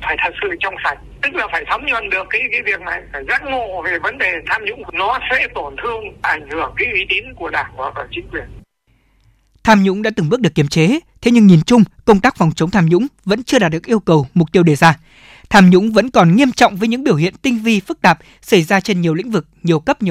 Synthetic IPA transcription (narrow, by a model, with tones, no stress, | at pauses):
faː˧˩jt̪ʰə˨˩t̚sɨ̰˧˨t͡ɕɔ˧wŋ͡msa˨˧˩jk̚t̪ɨ˦˥k̚laː˨˩faː˧˩jt̪ʰə˨˦wŋ͡mɲwə̰˧˨nɗɨ˨˩əkːaː˨˦jvaː˨˦jvi˨˩ək̚na˨˩jfaː˧˩jza˦˥t̚ŋo˧˨˩ve˨˩və˨˦nɗe˨˩t̪ʰaː˧mɲʊ̰˧˥ŋ͡mnɔ˨˦sɛ̰˧˥t̪o˧˩nt̪ʰɨ˧əŋʔa˧˩jŋ̟hɨ˧˩əŋkaː˨˦jʔi˨˦t̪i˨˦nku˧˩əɗaː˧˩ŋvaː˨˩t̪ɔ˧˩t͡ɕï˨˦ŋkwi˨˩ən | t̪ʰaː˧mɲʊ̰˧˥ŋ͡mɗa̰ː˧˥t̪ɨ˨˩ŋɓɨ˦˥ɨ˨˩əkːi˧˩əmt͡ɕe˨˦t̪ʰe˨˦ɲɨ˧ŋɲi˨˩nt͡ɕʊ˧ŋ͡mkə˧wŋ͡mt̪aː˦˥k̚fɔ˨˩wŋ͡mt͡ɕə˨˦wŋ͡mt̪ʰaː˧mɲʊ̰˧˥ŋ͡mvə̰˧˥nt͡ɕɨ˧əɗaː˨˩t̚ɗɨ˨˩ək̚ʔəwkə˨˩wm˨˩k͡p̚t̪i˧əwɗe˧˨˩zaː˧ | t̪ʰaː˧mɲʊ̰˧˥ŋ͡mvə̰˧˥nkɔ˨˩nŋi˧əmt͡ɕɔ̰˧˨wŋ͡mvəː˨˦jɲɨ̰˧˥ŋɓi˧˩əwhḭ˧˨ənt̪ï˧ŋ̟vi˧fɨ˦˥k̚t̪aː˨˩p̚ | sa˧˩jzaː˧t͡ɕe˧nɲi˨˩əwlḭ̈˧˥ŋ̟vɨ˨˩k̚ɲi˨˩əwkə˦˥p̚ɲi˨